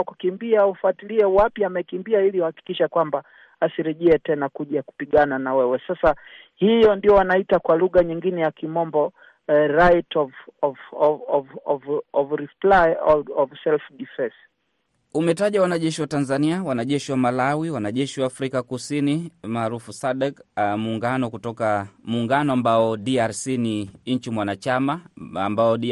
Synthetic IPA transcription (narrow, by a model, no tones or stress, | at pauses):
kukimbiaufatiliɛwapiamɛkimbiailiuhaki̥kiʃakwamba | asiɾɛʄɛɛtɛnakuʄaku̥piɠananawɛwɛsasa | hijɔndiɔwanaitakwaluɣaɲiŋɡinɛjakimɔmbɔ | ɾajtɔvɔvɔɔvɔvɔvɾiplajɔɔvsɛlfɗifɛs | umɛtaʄawanaʄɛʃiwatanzaniawanaʄɛʃiwamalawiwanaʄɛʃiwaːfɾikakusinimaːɾufusaɗɛkmuːŋɡanɔkutɔkamuːŋɡanɔambaɔɗiaɾsiniɲ̩t͡ʃimwanat͡ʃamaambaɔɗi